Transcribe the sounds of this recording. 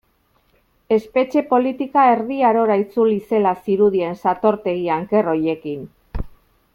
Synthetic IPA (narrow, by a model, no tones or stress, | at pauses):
e̞spe̞t͡ʃe̞po̞lit̪ikae̞ɾðiaɾo̞ɾait͡sulise̞lasiɾuð̞ie̞nsat̪o̞ɾt̪e̞ɣiaŋke̞ro̞je̞kin